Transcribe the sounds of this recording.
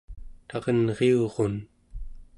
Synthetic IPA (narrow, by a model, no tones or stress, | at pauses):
t̪ɑʁənʁeoʁon